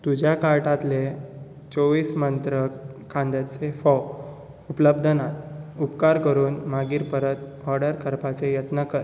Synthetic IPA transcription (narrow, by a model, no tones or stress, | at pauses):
t̪ud͡ʑʱjakaɾʈat̪le | t͡soʋiːsmənt̪ɾəkʰãnd̪at͡sefɔw | upləbd̪ʱənat̪upkaɾkəɾuːnmaɡiːɾpəɾət̪ | ɔɾɖəɾkəɾpat͡sejət̪nəkəɾ